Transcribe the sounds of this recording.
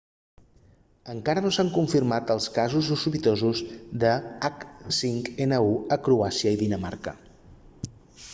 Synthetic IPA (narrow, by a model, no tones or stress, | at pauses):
əŋkaɾənosaŋkuɱfirmat̪əlˠskazuzusuβit̪ozuzðəaksiŋkenəuəkɾuasiəiðinəma̰rkə